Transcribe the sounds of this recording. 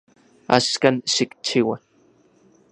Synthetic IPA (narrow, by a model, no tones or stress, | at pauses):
a̰skansɪkt͡ʃʰiwa